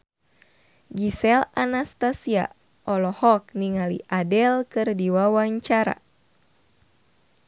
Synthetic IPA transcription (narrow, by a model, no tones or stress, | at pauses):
ɡisɛlanast̪asia̰ | ʔɔlɔhɔk̚niŋalḭʔadɛlkɨrdiwawaɲt͡ʃaɾa̰